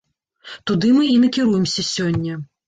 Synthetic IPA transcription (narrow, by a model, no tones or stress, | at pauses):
t̪ud̪ɨmɨinɐkʲiɾujɛmsʲɐsʲɔnʲːɐ